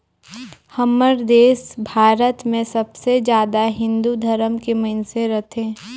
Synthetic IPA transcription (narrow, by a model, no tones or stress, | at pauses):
hɐməɾd̪eːsbʱaːɾət̪mẽsɐbsed͡ʒjaːd̪aɦɪ̃nd̪ud̪ʱəɾəmkemɐɪnseɾɐt̪ʰẽː